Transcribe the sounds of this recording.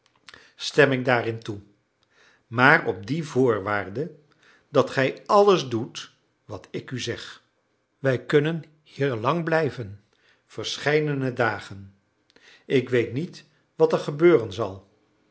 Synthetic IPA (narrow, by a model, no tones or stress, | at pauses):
stɛmɪɡ̚daːrɪntu | maːrɔp̚divʊːɹʋaːrdə | dɑtχɛjɑləzdut | ʋɑtɪkyzɛχ | ʋɛjkɵnən | hiːɹlɑŋblɛjvən | v̥əɹsχɛjdənədaːχən | ɪkʋejtnit | ʋɑtɛɹχəbøːrənzɑ̰lˠ